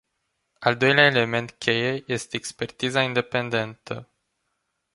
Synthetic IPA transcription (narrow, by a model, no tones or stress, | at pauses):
ald̪o̞jleae̞le̞me̞nt̪kʲʰe̞jeje̞st̪e̞ːkspe̞rt̪izaind̪e̞pe̞nd̪e̞nt̪ʰə